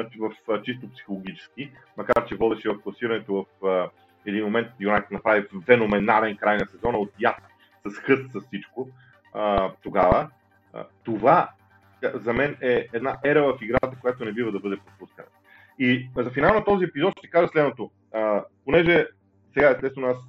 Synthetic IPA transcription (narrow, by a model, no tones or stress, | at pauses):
aivɐft͡ʃist̪opsi̥xolˠoɡ̟it͡ʃɛ̥sk̟i | mɐkaɾt͡ʃɛvɔd̪ɛʃɛvɐfklˠɐsiɾɐnɛt̪ovɐfə | ɛd̪inmomɛnt̪̚ijonaknɐpɾavifɛnomɛnalɛnkɾajnɐsɛzɔnɐot̪jat̪ | sɐsxɤst̪sɐssit͡ʃko | ət̪oɡavə̰ | t̪ova | zɐmɛnɛɛd̪naʔɛɾəvəfiɡɾat̪əkojat̪onɛbivəd̪ɐbɤd̪ɛpɾopuskənɐ | izɐfinalˠnɐt̪ɔziɛpizɔt̪ʃt̪ɛ̥kaʒəslɛd̪not̪o | əponɛʒɛ | sɛɡaɛst̪ɛst̪vonas